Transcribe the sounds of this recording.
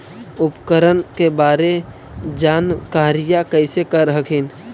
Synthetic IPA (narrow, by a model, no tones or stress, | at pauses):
ʊpkəɾənkebaːɾe | d͡ʒaːnkaːɾɪjakəɪsekəɾəɦəkʰin